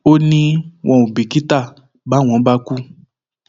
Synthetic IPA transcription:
o˦nĩ˦wʔɔ̃˨u˨bi˨ki˦t̪a˦˨ | ba˨˦˨w̃ɔ̃˨˦ba˦ku˦

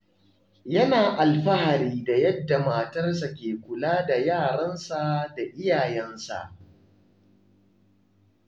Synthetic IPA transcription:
jɐ˦naː˨ʔa˨lɸɐ˦ha˨ɾiː˦da˨jɐ˦dːa˨maː˨tɐ˦rsa˨kʲeː˨kʷʊ˨laː˦da˨jaː˦˨ɽɐ˦nsa˦da˨ʔɪ˦jaː˨jɛ˦nsa̰˨ʔ

